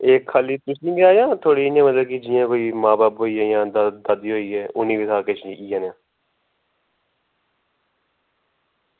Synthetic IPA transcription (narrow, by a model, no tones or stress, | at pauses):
eːkʰːaːliːt̪ʊsĩːɡɪaːjãːt̪ʰoːɽiːɪnãːmət̪ləbkɪd͡ʒɪːãːkoːiːmãːbaːpɦoːiːɦɛːjãːd̪d̪əd̪iːɦoːiːɦɛːʔʊnĩːbɪsʰaːket͡ʃːiːãːnjãː